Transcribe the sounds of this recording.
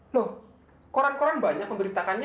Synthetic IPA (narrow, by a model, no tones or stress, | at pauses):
loh | koɾankoɾanbaɲak̚məmbəɾit̪akanɲ